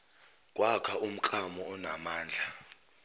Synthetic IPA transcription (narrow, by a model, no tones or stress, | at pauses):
kʼwakʰaʔum̩ǃʼamɔːnamaːnd͡ɮʱa